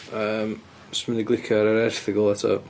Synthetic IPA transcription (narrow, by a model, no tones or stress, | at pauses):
əːm | sməniɡlˠɪkʰjɔɾaɾɛrθɪɡɔlˠatʰɔ̰